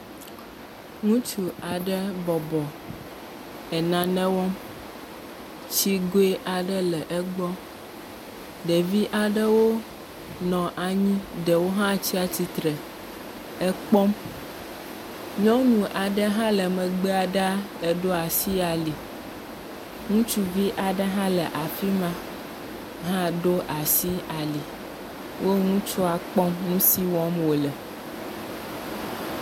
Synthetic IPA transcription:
ŋũ˦t͡ʃu˨a˨ɖɛ˦bɔ˨bɔ˨ | ɛ˨nã˨nɛ̃˦wɔ˦m | t͡ɕi˦ɡo˦e˦ʔa˨ɖɛ˦lɛ˨ʔɛ˦ɡ͡bɔ˦ | ɖɛ˨vi˦ʔa˨ɖɛ˦wo˦ | nɔ̃˨ʔa˨ɲĩ˦ɖɛ˨wo˦ɦã˦t͡ɕi˦a˨t͡ɕi˨t̪ɾɛ˨ | ɛ˦k͡pɔ˦m | ɲɔ̃˦nũ˨ʔa˨ɖɛ˦ɦã˦lɛ˨mɛ̃˨ɡ͡bɛ˦a˨ɖa˦ | ɛ˨ɖo˦a˨si˦a˨li˨ | ŋũ˦t͡ʃu˦vi˦ʔa˨ɖɛ˦ɦã˦lɛ˨ʔa˨fi˦mã˦ | ɦã˦ɖo˦ʔa˨si˦a˨li˨ | wo˦ŋũ˦t͡ʃu˦a˨k͡pɔ˦mŋũ˦si˦wɔ̃˦mwo˨lɛ˨

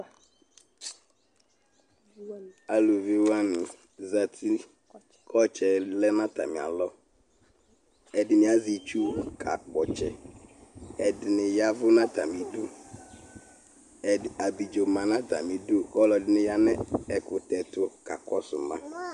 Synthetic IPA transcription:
a˨lu˨vi˨wa˦nɪ̃˨ | za˨t̪ʰi˦ | kʰɔ˦t͡ʃɛ˨lɛ˦nã˦t̪a̰˨mɪ̃˨a̰˨lɔ˦ | ɛ˨dɪ˨mɪ̃˨a˦zi˨t͡ʃu˦˨kʰa̰˨k͡pɔ˨t͡ʃɛ̰˨ | ɛ˨dɪ˨nɪ̃˨ja˦vʊ˦nã˦t̪a̰˨mĩ˨dʊ˦ | ɛ˨a˨bi˨d͡ʒo˨mã˨nã˦ta̰˨mĩ˨dʊ˦ɔ˦lɔ˨dɪ˦nɪ̃˦ja˦nɛ̃˦ɛ˨kʊ˨t̪ɛ˨t̪ʊ˦ka̰˨kɔ˦sʊ̰˨mã˦

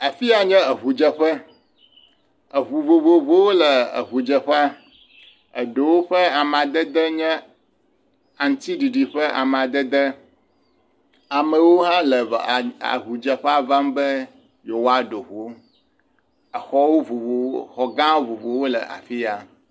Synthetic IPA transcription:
a˨fi˦a˨ɲɛ̃˦ə˨βu˨d͡ʒə˦˨ɸə˦ | ə˨βu˨vo˨vo˨vo˦wo˦lə˨ə̰˨ɦu˨d͡ʒə˨ɸa˦ | ə˨ɖo˨wo˦ɸə˦a˨m˨a˨d̪ə˦d̪ə˦ɲɛ̃˦ | a˨ŋ̩˦t̪i˦ɖi˨ɖi˨ɸə˦ʔa̰˨m˨a˨d̪ə˦d̪ə˦ | a˨mə˨wo˦ɦã˦lə˨a̰˨ɦu˨d͡ʒə˨ɸɛ˦a˦va˦m˦bə˦ | jo˨wa˦ɖo˨ɸu˨o˦ | ə˨xɔ˦wo˦vo˨vo˨xɔ˨ɡã˦wvo˨vo˨wo˦lə̰˨a̰˨fi˦a˨

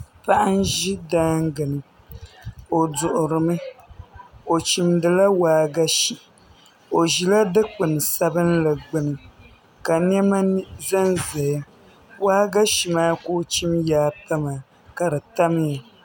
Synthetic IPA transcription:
pa˦ʔa˦n˦ʒi˦daː˦ŋ˦ɡɨ˨nɨ˨ | o˨dʊ˨ʔʊ˨ɾɨ˨mɨ˦ | o˨t͡ʃi˨mdɨ˨la˦waː˦ɡa˦ʃi˨ | o˨ʒi˨la˦dɨ˦k͡pɨ˨nɨ˨sa˦bɨ˦n˦la˨ɡ͡bɨ˦nɨ˨ | ka˨n˦ɛ˦ma˦zɛ˦nzɛ˨ja˦ | waː˦ɡa˦ʃi˨maː˦koː˦t͡ʃi˦mjaː˨˦pa˦ma˨ | ka˨dɨ˨ta˦m˦ja˨

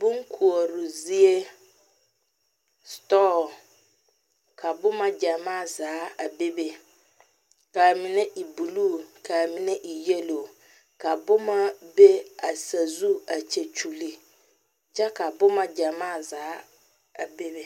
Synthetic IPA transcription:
bʊ̃˦ŋ˦kʰu˨ɔ˨ɾʊ˨zi˦e˦ | stɔ˦˨ | kʰa˨bʊ˦mã˦d͡ʑa˨mã˦˨zaː˨˦a˨be˦be˨ | ka˨mĩ˨nɛ̃˦ʔi˨bu˨lu˦kʰa˨mĩ˨nɛ̃˦ʔi˨je˦lo˨ | kʰa˨bʊ˦mã˦be˦a˨sa˨zu˦a˨t͡ɕʰe˨t͡ɕʰu˨li˨ | d͡ʑa˦kʰa˨bʊ˦mã˦d͡ʑa˨mãː˦˨zaː˨˦ | a˨be˦be˦

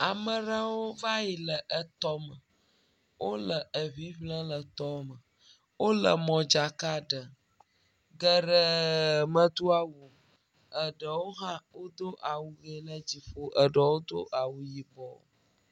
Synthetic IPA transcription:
a˨mə˨ɾa˦wo˦va˦ji˨lə˨ʔə˨t̪ɔ˦mə˨ | wʔo˦lə˨ə˨vi˦ɸlə̃˦lə˨t̪ɔ˦mə˨ | wo˦lə̰˨mɔ̃˨d͡ʒa˨ka˦ɖə˨ | ɡə˨ɖə˨mə̃˦d̪u˦a˨wu˨ | ə˨ɖə˨wo˦ɦã˦wo˦d̪o˦ʔa˨wu˨ɡe˨˦lə˦d͡ʑi˨ɸo˦ʔə˨ɖə˨wo˦d̪o̰˦ʔa˨wu˨ji˨bɔ˨

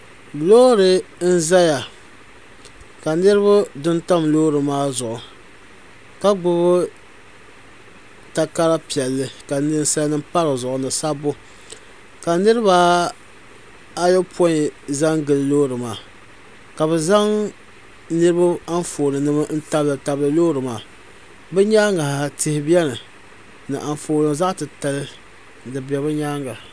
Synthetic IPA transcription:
loː˦ɾɨ˨n̩˦za˦ja˨ | ka˨nɨ˦ɾɨ˦bʊ˦dɨ˦nta˦mloː˦ɾɨ˨maː˦zʊ˨ʔʊ˨ | ka˦ɡ͡bʊ˦βʊ˦ | ta˨ka˦ɾa˦pi˨ɛ˨lːɨ˦ka˨nɨ˦n˦sa˦nɨ˦mpa˦ɾɨ˨zʊ˨ʔʊ˨nɨ˨sa˦bʊ˦ | ka˨nɨ˦ɾɨ˦baː˦ | a˦jɛ˦pʰɔ˦˨za˦ŋɡɨ˨llo˦ɾɨ˨maː˨ | ka˨bɛ˨za˦ŋ | nɨ˦ɾɨ˦ba˦a˦ɱfoː˨nɨ˨nɨ˦ma˦n̩˦ta˦blɨ˨ta˨blɨ˦loː˦ɾɨ˨maː˨ | bɛ˦ɲaː˦ŋa˨ha˨tɪ˦hɪ˦bjɛ˦nɨ˨ | nɨ̰˨ʔa˨ɱfoː˨lɨ˨ŋza˦ʔtɨ˨ta˨lɨ˦ | dɨ˨bi˨ɛ˨bɨ˦ɲaː˦ŋɡa˨

